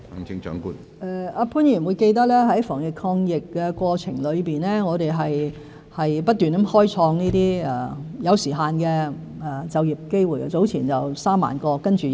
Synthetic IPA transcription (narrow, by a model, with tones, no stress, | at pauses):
ŋɪ˧ŋt͡ʃœ̰ː˨˥ŋkṵː˥n | ʔɛ˧aː˧pʰu˨˥njiː˨˩nwuː˨˧jke˧jt̪ɐ˥k̚lɛː˥ɦɐ˨˥jfɔː˨˩ŋjɪ˨kʰɔː˧ŋjɪ˨kːɛː˧kwɔː˧t͡sʰɪ̰˨˩ŋlɵ˨˧ɥpiː˨nlɛː˥ŋɔː˨˧ɾe˨jɦɐ˨j | hɐ˨jpɐ˥t̚t̪yː˨˩n˨˥mhɔː˥jt͡sʰɔː˧ŋniː˥t̪iː˥ɛ˨˩jɐ˨˧wsiː˨˩ɦaː˨˧nkɛː˧ | ɛ˧˩t͡sɐ˨wjiː˨˩p̚ke˥jwuː˨jt͡so˨˥wt͡sʰiː˨˩nt͡sɐ˨wsaː˥mːa̰ː˨nkɔː˧kɐ˥nt͡ʃyː˨